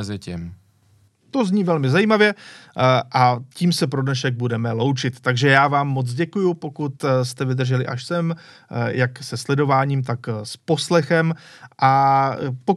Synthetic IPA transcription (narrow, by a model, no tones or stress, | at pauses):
zɪcɪ̰m | t̪o̞zɲiːvɛlmɪzajiːmavjɛ | ʔaciːmsɛpɾodnɛʃɛɡ̚budɛmɛlo̞wt͡ʃɪt̪ːaɡʒɛjaːvaːmːo̞t͡sɟɛkujupo̞kut̪st̪ɛvɪd̪r̩ʒɛlɪʔaʃsɛmjaksɛslɛdo̞vaːɲiːmt̪akspo̞slɛxɛmʔapo